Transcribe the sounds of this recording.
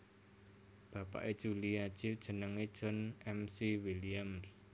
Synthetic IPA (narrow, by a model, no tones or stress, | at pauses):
b̥a̤pa̰ʔed̥ʒ̥uliḁʒ̥id̥ʒ̥ə̤nəŋed̥ʒ̥ɔ̤nɛmsiwiliams